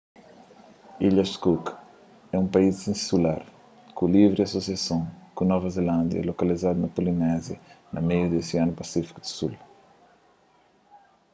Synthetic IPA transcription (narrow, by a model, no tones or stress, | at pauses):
iʎɐskuk | ɛũpɐizĩsula̰ɾ | kulivɾiɐsosjasõŋkunɔvɐzelãnd̪jɐ̰ɛ̰lokɐlizad̪unɐpolinɛzjɐnʔɐ̰mejud̪esiãnupɐsifi̥kud̪u̥sul